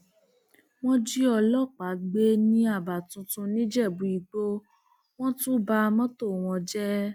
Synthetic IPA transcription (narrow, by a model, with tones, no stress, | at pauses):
w̃ɔ̃˦d͡ʒi˦ɔ˧lɔ˦˨k͡pa˨˦ɡ͡be˦nĩ˦a˦˨ba˨tũ˧tũ˧nĩ˦d͡ʒɛ˦˨bu˨˦i˨ɡ͡bo˦ | w̃ɔ̃˦tũ˦ba˧mɔ̃˦to˦˨w̃ɔ̃˧d͡ʒɛ˦